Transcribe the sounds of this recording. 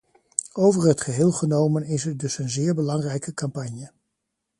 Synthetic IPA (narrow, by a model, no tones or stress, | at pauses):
owvəɹɦətχəɦɪːlˠχənowmənɪsəɹdɵsənzɪːɹbəlɑŋrɛjkəkɑmpɑɲjə